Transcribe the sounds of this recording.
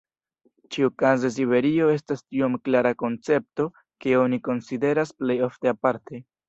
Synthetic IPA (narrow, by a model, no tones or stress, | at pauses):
t͡ʃiukazes̬iβe̞ɾio̞e̞stastio̞mklaɾako̞nt͡se̞p̚to̞ | keo̞niko̞nside̞ɾasple̞jo̞fte̞apaɾte̞